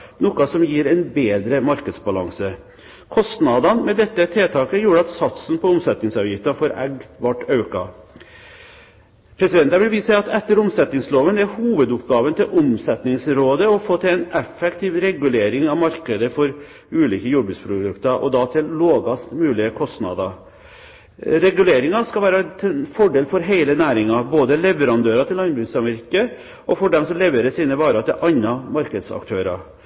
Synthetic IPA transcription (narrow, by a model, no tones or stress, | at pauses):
nɔkɑsɔmjiːɾɛnbeːd̪ɾəmɑɾkəd̪sbɑlɑ̰ŋsə | kʰɔst̪nɑd̪ɑnmɛd̪ɛt̪ːət̪ʰeːt̪ʰɑːkəjuːɾəɑt̪sɑt̪sn̩pʰɔʊmsɛt̪nɪŋsɑʋjɪft̪ɑnfoːɾɛ̰ɡʋɑʈːɑʉkɑ | pʰɾɛsɪd̪ɛnt̪ɑɾʋɪlʋiːsɑɑt̪ɛt̪ːəɾʊmsɛt̪nɪŋsloːʋənd̪ɛæɾhuːʋəd̪ʊpɡɑːʋənt̪ʰɪlʔʊmsɛt̪nɪŋsɾoːd̪əɔfoːt̪ʰɛɛnɛfːɛkt̪ʰiːʋɾɛɡʉleːɾɪŋɑʋmɑɾkəd̪əfɔɾ | ʉːliːkəjubɪspʰɾʊd̪ʉkt̪əɾʔɔ̰d̪ɑt̪ʰɪlːoːɡɑst̪mʉːlɪəkʰɔst̪nɑ̰d̪ɑ | ɾɛɡʉleːɾɪŋɑskɑʋæːɾət̪ʰfɔɖeːlfɔɾɦeɪlənæːɾɪŋɑboːd̪əlɛʋəɾɑnd̪øːɾɑt̪ʰɪlːɑnbʉsɑmɛɾkə | ʔɔfɔɖɛmsɔmlɛʋəɾəsiːnəbɑːɾɑt̪ʰɛʔɑnːɑmɑɾkəd̪sɑ̰kt̪ʰøːɾɑ̰